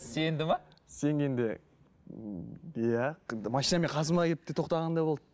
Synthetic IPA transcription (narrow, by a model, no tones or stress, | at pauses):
se̞nd̪ɪmɑse̞ŋɡʲend̪e | jæmɑʃijnɑme̞ɴqʰɑzəmɑkʲep̚t̪ːet̪ʰo̞qt̪ɑʁɑnd̪ɑjbo̞lˠɑd̪